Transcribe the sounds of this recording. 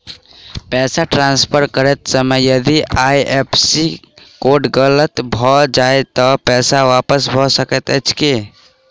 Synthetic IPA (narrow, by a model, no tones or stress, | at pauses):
pɛːsaʈɾanspʰəɾkəɾət̪səməjjəd̪iʔajʔepʰsi | koɖɡələt̪bʱɔd͡ʒaet̪ɔpɛːsaʋapəsbʱɔsəkət̪ət͡ʃʰke